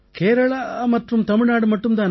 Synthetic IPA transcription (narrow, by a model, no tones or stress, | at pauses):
keːɾɐɭɐmɐt̪ɾumt̪ɐmiɭnaːɽumɐʈːumd̪aːn